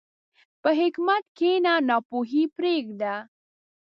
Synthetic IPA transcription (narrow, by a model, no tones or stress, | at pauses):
pəɦekmat̪kʰeːnanapoːɦipɾeːɡd̪a